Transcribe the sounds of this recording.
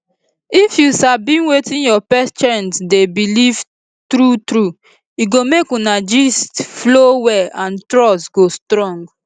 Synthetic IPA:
ifjusabĩnwetĩnjɔpɛst͡ʃɛ̃ntdebiliv | tɾutɾu | iɡomekunad͡ʒistflowɛãntɹɔsɡostɹɔ̃ŋɡ

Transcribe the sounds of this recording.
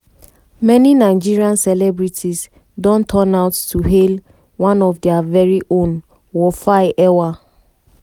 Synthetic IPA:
mɛninaɪd͡ʒiɹiãnsɛlɛbɹitʰis | dɔ̃ntʰɔnaʊtːuɦel | wãnɔvdɛavɛɹiʔõn | wɔfaɪʔɛwa

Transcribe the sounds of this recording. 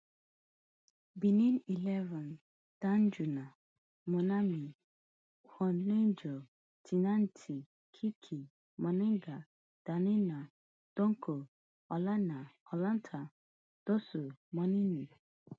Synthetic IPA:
binĩnilɛvãn | d̥and͡ʒunã | mɔ̃nãmĩ | hɔnend͡ʒo | tʰinãntʰi | kʰikʰi | mɔ̃nɪ̃ŋɡa | d̥anɪ̃nã | d̥õŋkʰo | ɔlanãɔlãntʰa | d̥osumɔ̃nĩnĩ

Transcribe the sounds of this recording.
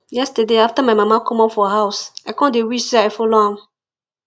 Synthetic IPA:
jɛstədeaftamaɪmãmakʰɔ̃mɔpfɔɦaʊsaɪkɔ̃ndewiʃsɛaɪfɔlohãm

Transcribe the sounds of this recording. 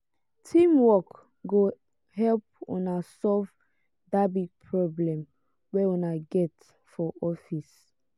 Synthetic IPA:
tʰĩmwɔk | ɡo | hɛlp̚ṵnasɔlv | dabiɡ̚pʰɹɔblɛ̃m | wɛunaɡɛt | fɔʔɔfis

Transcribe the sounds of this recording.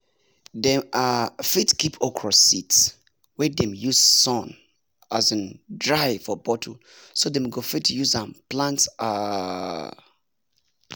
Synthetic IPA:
dɛ̃mafitkipʰɔkʰɹɔsits | wɛdɛ̃mjussɔ̃n | azə̃ndɹaɪfɔbɔtʰo | sodɛmɡofitʰːjuzãnplãntsa

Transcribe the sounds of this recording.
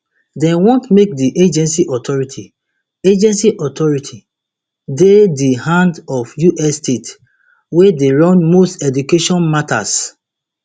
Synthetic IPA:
dɛ̃nwɔ̃ntmek̚diʔed͡ʒɛ̃nsiʔɔtɔɹitʰi | ed͡ʒɛ̃nsiʔɔtʰɔɹitʰi | dedihãndɔfjuʔɛsːtet | wedeɹɔ̃nmostɛdukeʃɔ̃nmata̰s

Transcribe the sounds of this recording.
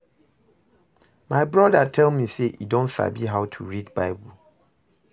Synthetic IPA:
maɪbɹɔdatʰɛlmĩseʔḭdõnsa̰biɦaʊtʰuɹidbaɪbu

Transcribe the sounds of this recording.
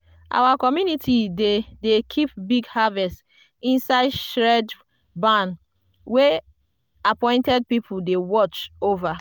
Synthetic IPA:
ʔa̰wakɔmjunitʰidedekʰipbiɡhavɛst | ĩnsaɪdʃɹɛd | bãn | we | apɔ̃ɪ̃ntɛd̚pipʰudewɔt͡ʃova

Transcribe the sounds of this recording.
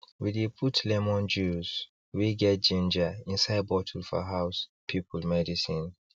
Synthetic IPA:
widepʰutʰlɛmɔ̃nd͡ʒuz | wiɡɛt̚d͡ʒĩnd͡ʒaĩnsaɪd̚bɔtʰul̩fa̰ɦaʊspʰipʰulmɛdisĩn

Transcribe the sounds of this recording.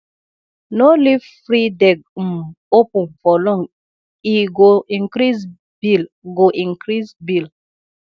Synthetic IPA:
nolivfɾidɛɡ̚m | opũnfɔlɔ̃ŋ | iɡoĩŋkɾiz | bil | ɡoʔĩŋkɾizbil

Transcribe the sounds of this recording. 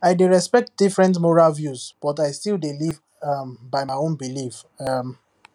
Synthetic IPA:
aɪdeɹɛspɛk̚t̚d̥ifɹɛ̃ntmɔɹalvjuzb̥ɔtaɪstilˠdeliv | ambaɪmaɪõnbilif | ʌm

